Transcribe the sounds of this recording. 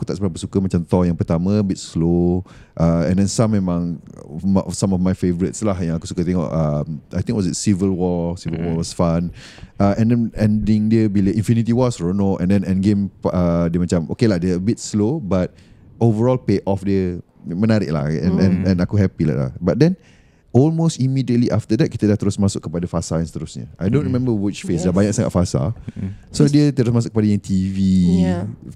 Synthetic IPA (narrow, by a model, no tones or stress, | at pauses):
akut̪aʔsəbəlap̬əsukəmat͡ʃamt̪ɔjãŋpərt̪amə̃əbit̚slo | ʔaɛ̰̃ndɛ̃nsãmːemãŋmsãmɔfmajfevəɾitslahjãŋakusu̥kət̪eŋɔ̰ʔamʔajt̪ĩŋkwɔs̬zitsivəlwɔsivəlwɔwɔsfãn | ʔaʔɛ̃ndɛ̃nɛ̃ndĩŋdiəbileʔĩnfinit̪iwɔsɹonoʔɛ̰̃ndɛ̃nɛ̃nɡẽmadiəmat͡ʃamʔokelahdəəbit̚slobat̚ | ovəɹɔlpeʔɔfdə | mə̃naɾiʔla̰ɛ̰̃ɛ̃nɛ̃nakuɦɛpila̰la̰bat̚dɛ̃n | ɔlmostimidiət̚liʔaft̪ədɛt̚kit̪ədat̪əɾʊsmasʊk̚ːəpadafasaɛ̃nst̪əɾʊsɲə̰ʔajdõntɹimɛ̃mbəwɪt͡ʃfesdabaɲãksaŋa̰t̚fasa̰sodiət̪əɾʊs̬masʊkəpadəjãŋt̪ʰivi